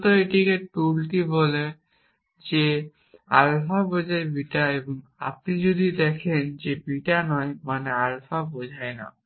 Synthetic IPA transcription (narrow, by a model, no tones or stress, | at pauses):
t̪oeʈikeʈ̚tulʈibɔle | d͡ʑe | a̰lfabod͡ʑʱaebiʈaeboŋa̰p̚nid͡ʑod̪ʱid̪ɛkʰend͡ʑebiʈanɔemanealfabod͡ʑʱaena̰